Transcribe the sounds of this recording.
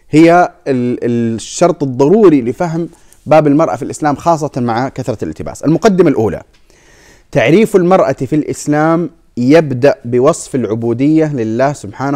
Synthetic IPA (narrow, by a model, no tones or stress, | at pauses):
hɪjːa | ʃːɑɾˤt̪ˤɨðˤːɑɾuːɾilɪfaɦm | baːbɪlmɑɾˤʔa̰filʔɪslaːmxɑːsˤːɑt̪ɑmaʕakaθɾˤɑlɪ̰lt̪ɪba̰ːsalmʊqad̪ːɪmalʔuːla̰ | t̪aʕɾiːfɪlmɑɾˤʔa̰filʔɪslaːm | jabd̪aʔbɪwɑsˤfɪlʕʊbuːd̪ɪjːalɪlːaːhsʊbħaːna